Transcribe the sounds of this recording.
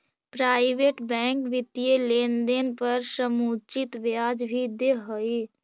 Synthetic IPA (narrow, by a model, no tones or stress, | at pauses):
pɾaːɪʋeːʈbɛ̃ːŋkʋɪt̪ːijeleːnd̪enpəɾʃəmuːt͡ʃɪt̪ʋjaːd͡ʒbʱid̪eɦoeː